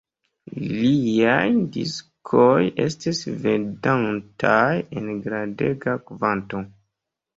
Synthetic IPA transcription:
liajdḭskʰojʔe̞̰stisvedantʰajḛnɡɾadeɡakvanto

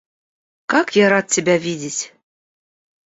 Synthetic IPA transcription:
kɑkjɑɾɑt̪̚tʲɘ̆bʲævidʲɘtʲ

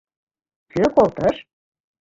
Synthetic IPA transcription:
køkolt̪əʃ

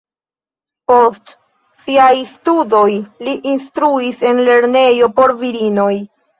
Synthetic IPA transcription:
po̞st | siajstudo̞jliʔinstɾuise̞nle̞ɾne̞jo̞po̞ɾviɾino̞j

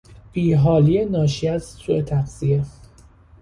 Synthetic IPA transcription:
b̥iːɦɒːlijenɒːʃiæzsuʔe̞t̪ʰæχsie

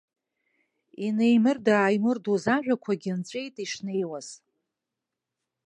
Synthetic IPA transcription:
ine̞jmɨrdaːjmɨrduzaʒᶣʷakʷʰaɡʲɪnt͡sʷʼe̞jtʼiʂne̞jwaz̥

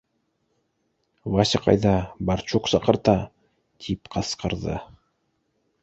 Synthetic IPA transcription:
vɑɕɤqɑ̰jd̪ɑbɑɾt͡ʃuqsɑqɤ̆ɾt̪ɑ | t̪ʰipqʰɑsqɤ̆ɾd̪ɤ̰

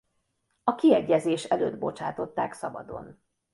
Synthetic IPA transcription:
ɒkiɛɟːɛzeːʃɛløːd̪̚bo̞t͡ʃaːt̪o̞t̪ːaːksɒbɒ̰d̪o̞̰n

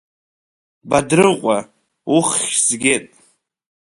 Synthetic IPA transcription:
badɾɨqʷʼa | uχʲz̥ɡʲetʼ

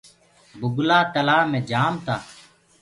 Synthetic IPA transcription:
bʊɡlaːt̪əlaːmẽːd͡ʒaːmt̪aː

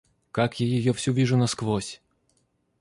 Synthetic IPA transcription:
kakjajɔjɔwsʲuvʲiʐʊnɐsklˠɔsʲ

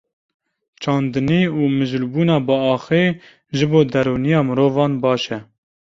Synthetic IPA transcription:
t͡ʃʰɑːnd̪ɨniːuːmɨʒlbuːnɑːbɨɑːxeː | ʒɨboːd̪ɛɾuːnijɑːmɨɾoːvɑːnbɑːʃɛ

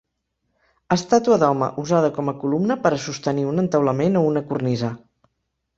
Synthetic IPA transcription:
əst̪at̪uəðɔmə̰ʔuzað̞əkɔməkulumnəpəɾəsust̪əniunənt̪əwləmenounəkurnizə

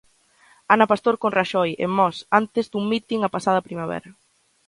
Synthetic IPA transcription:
anɐpast̪oɾkonraʃɔjḛmmɔsant̪ɪzd̪uŋmit̪iŋapasað̞ɐpɾimaβɛ̰ɾɐ

